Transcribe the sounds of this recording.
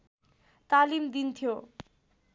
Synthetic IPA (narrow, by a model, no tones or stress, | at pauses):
t̪alimd̪int̪ʰjo